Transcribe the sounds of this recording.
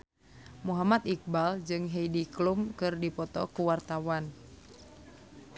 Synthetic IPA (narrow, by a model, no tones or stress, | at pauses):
muɦamat̪ik̚bald͡ʒɨŋɦɛjdiklumkɨrdipɔt̪ɔkuwart̪awan